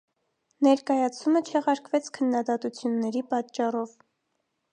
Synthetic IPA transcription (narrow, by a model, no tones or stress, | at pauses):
nɛɾkɑjɑt͡sʰumət͡ʃʰɛʁɑɾkvɛt͡sʰkʰənːɑd̪ɑt̪ut͡sʰjunːɛɾipɑtt͡ʃːɑrɔv